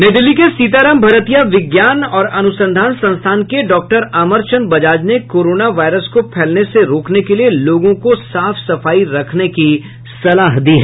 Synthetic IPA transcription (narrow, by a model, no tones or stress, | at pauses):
neːd̪ɪlikesiːt̪aːɾaːmbʱɐɾət̪ijaʋɪɡjaːnɔːɾɐnʊsə̃nd̪ʱaːnsɐ̃nst̪ʰaːnkeɖɔːk̚ʈəɾaːməɾt͡ʃənbɐd͡ʒaːd͡ʒnekoːɾoːnaʋaːɪɾəskopʰɛːlneseɾoːknekelieloːɡõkosaːfsɐfaːiɾɐkʰneki | sɐlaːɦd̪iːɦɛː